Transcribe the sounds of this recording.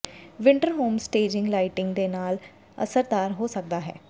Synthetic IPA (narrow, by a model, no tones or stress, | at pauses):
ʋɪɳʈəɾɦoːmsʈeːd͡ʒɪ̃ŋɡlaːɪʈɪ̃ŋɡd̪eːnaːl | ə̰səɾd̪aːɾɦoːsək̚d̪aːɦɛ̰ː